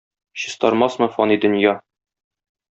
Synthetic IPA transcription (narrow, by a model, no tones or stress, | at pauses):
ɕɤ̆st̪ɒɾmɑsmɤ̆fɒnid̪ɵ̆njɑ